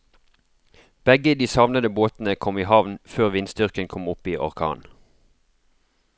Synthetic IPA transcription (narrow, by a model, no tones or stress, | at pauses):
b̥ɛɡəd̪iːsɑʋnəd̪əboːt̪n̩əkʰɔmiːhɑʋnføːʁʋɪnstd̪ʏʁkənkʰɔmʊpiːʔɔ̰ʁkʰɑ̰ːn